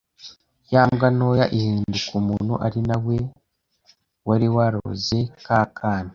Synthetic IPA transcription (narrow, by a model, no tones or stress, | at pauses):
jaːmɡano̞ːjaʔihiːndukumuːnhuʔaɾinawe̞ | waɾiwaɾo̰ze̞kaːkʰaːna